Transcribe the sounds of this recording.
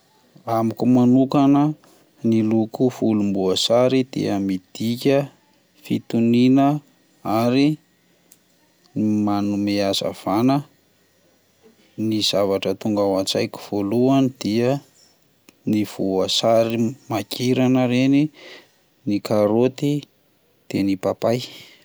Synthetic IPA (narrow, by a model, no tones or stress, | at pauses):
amikumanukanə | nilukuvulumbuasaɾid̪̥ḭəmid̪̥ikʲə | fit̪uninə | aɾi | manumeaz̥a̰v̥anə | niz̥avaʈ͡ʂət̪uŋɡawat͡sa̰jki̥v̥oluanid̪̥iə | niv̥uasaɾimakiɾanəɾeni | nikaɾot̪i | d̪̥enipapaj